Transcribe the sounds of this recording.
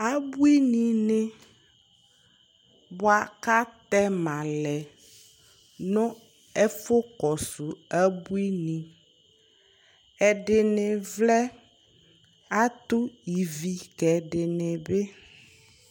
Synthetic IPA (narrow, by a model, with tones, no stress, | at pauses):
a˦bu˦i˦nĩ˨nẽ˦ | bo˦a˨ka˦t̪ɛ˦mã˨lɛ˨ | nɔ̃˦ | e˦fo˦kɔ˨su˨a˦bu˦i˦nĩ˨ | ɛ˨ɖe˨nẽ˨vlɛ˦ | a˦t̪u˦ji˨vi˨kɛ˨ɖe˨nẽ˨be˦